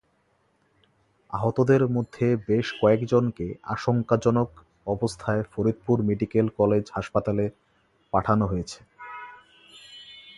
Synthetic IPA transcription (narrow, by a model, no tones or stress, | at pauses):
aɦot̪od̪eɾmod̪ʱːebeʃkɔekd͡ʑonkea̰ʃoŋkad͡ʑɔnok | ɔbost̪ʰaefoɾid̪̚puɾmeɖikelkɔled͡ʑhaʃpat̪ale | paʈʰanoɦojet͡ɕʰe̥